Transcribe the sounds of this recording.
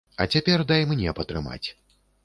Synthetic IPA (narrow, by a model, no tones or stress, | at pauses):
ɐ̰t͡sʲapʲɛrd̪ɐjmnʲɛpɐt̪ɾɨma̰t͡sʲ